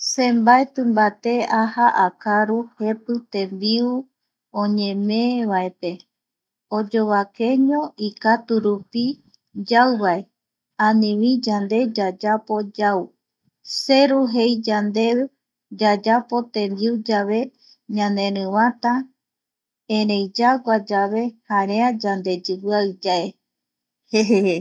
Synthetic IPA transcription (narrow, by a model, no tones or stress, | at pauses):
sẽmbaet̪ɨ̃mbat̪e̞ahaʔakaɾuhe̞pɨt̪ẽ̞mbiu | õɲẽ̞mẽ̞βaepe | od͡ʒo̞βake̞ɲõ̞ikat̪uɾupi | d͡ʒawβae | ãnĩβĩd͡ʒand̪e̞d͡ʒad͡ʒapo̞d͡ʒau | se̞ɾuɦe̞jd͡ʒand̪e̞ | d͡ʒad͡ʒapo̞t̪ẽ̞nd̪iud͡ʒaβe̞ | ɲãnẽ̞ɾɨ̃βãt̪a | ẽɾejd͡ʒaɡʷad͡ʒaβe̞haɾead͡ʒand̪e̞d͡ʒɨβɨaɨd͡ʒae | he